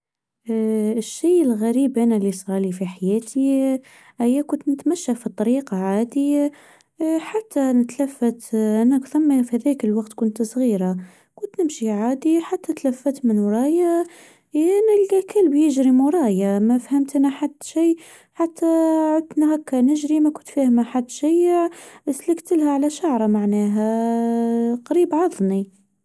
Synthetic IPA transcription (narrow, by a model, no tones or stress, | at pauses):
ʃːiːəlɣæɾiːbʔænælɪsˤɾɑlifiħajæːt̪ʰi | ʔæjːækʊnt̪nɪt̪mæʃːafit̪ˤːɑɾiːqɑʕaːd̪i | ħat̪ːanɪt̪lafːat̪ʔænækθamːafihðækəlwɑɡt̪kʊnt̪sˤɣiːɾa | kʊnt̪nɪmʃiʕaːd̪iħat̪ːæt̪læfːat̪mɪnwɾˤɑːja | nælɡækɪlbjɪʒɾimʊɾˤɑːjamæfhæmt̪ʔænaħad̪ːʃiː | ħat̪ʰːaʕʊd̪nahækːanɪʒɾimækʊnt̪fæːhmaħad̪ːʃɪjʕʔslɪkt̪əlhaʕalæʃaʕɾˤɑmaʕnæːɦæ | qɑɾiːbʕɑðˤni